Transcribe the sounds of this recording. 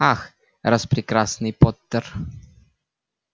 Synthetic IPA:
ax | rɐspɾʲɪkɾasnɨjpot̪ːər

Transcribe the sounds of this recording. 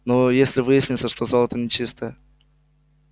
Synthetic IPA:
nojesʲlʲɪvɨjɪsʲnʲɪt̪səʂt̪ozolˠət̪ənʲɪt͡ɕist̪əjə

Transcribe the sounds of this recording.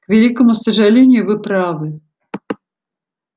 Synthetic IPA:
kvʲɛlʲikɐmʊsɐʐalʲenʲɪjʊvɨpɾavɨ

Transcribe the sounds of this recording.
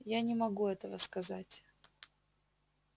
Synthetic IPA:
janʲɪmɐɡuɛt̪əvəskɐzatʲ

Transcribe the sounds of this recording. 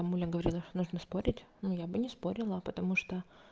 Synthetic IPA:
amulʲəɡəvɐɾʲilˠəʂt̪onuʐnəspo̞ɾʲɪtʲnujabɨnʲɪspo̞ɾʲɪlˠəpət̪ɐmuʂt̪o

